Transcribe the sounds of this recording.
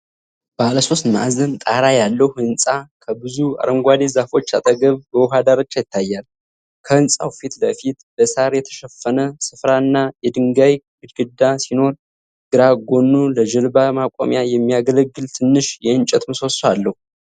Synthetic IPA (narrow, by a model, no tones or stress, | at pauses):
baləso̞st̪na̰zənt̪ʼaɾajalːəhhɨnsʼakʰəbɨzua̰ɾəmɡʷad̪ezafo̞t͡ʃːa̰t̪ʼəɡəβbəwʊɦad̪aɾat͡ʃːajɪt̪ʰːajːal | kʰəhɨnsʼa̰wfit̪ləfit̪bəsaɾjɛt̪ʰə̥ʃɛfːənəsɨfɾanːajɛd̪ɨŋɡajɡɨd͡ʒɡɨd̪ːasino̞ɾ | ɡ̥ɨɾaɡo̞nːuləd͡ʒɨlbamakʼo̰mjajɛmːijaɡələɡːɨlt̪ʰɨnːɨʃjɛɨnt͡ʃʼɛt̪mɨso̞salːəhu